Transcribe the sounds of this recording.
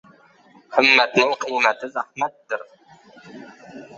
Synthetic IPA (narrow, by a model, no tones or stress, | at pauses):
hɨmːæt̪nɪŋqʰijmæt̪ʰɪzæhmæt̪ːɪɾ